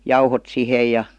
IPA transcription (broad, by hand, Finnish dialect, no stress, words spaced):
jɑuhot sihe jɑ